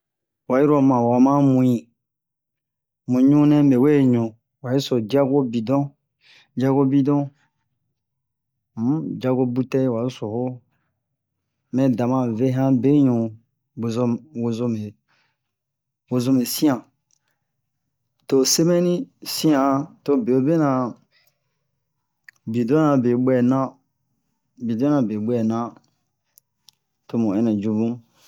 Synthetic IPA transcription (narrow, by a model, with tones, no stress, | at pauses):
wa˨ji˦ɾo˦mã˨wa˨mã˦mũ˨ĩ˨ | mũ˨ɲũ˦nɛ̃˦me˨we˦˨ɲũ˨ | wa˨ji˦so˨d͡ʒi˦a˦ɡo˦bi˨dɔ̃˦ | d͡ʒa˦ɡo˦bi˦dɔ̃˦ | m̩˨˦d͡ʒa˧ɡo˦bu˦tɛ˦wa˨i˦so˨ho˦ | mɛ̃˨da˨mã˨ve˦ɦã˦be˦ɲũ˨ | bo˨zo˧wo˨zo˧me˨ | wo˨zo˦me˨sĩ˦ã˨ | to˦se˦mɛ˦nĩ˦sĩ˦ã˨to˦be˨o˦be˦nã˨ | bi˨de˦ã˨be˨ɓɛ˦˨nã˦ | bi˨de˦nã˨be˨ɓɛ˦˨nã˦ | to˧mũ˨ɛ˦nɛ̃˨d͡ʒu˦bũ˦